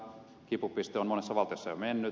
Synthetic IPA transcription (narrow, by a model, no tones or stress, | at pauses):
kipupist̪eonmonesːɑʋɑlt̪ejosːɑjomenːy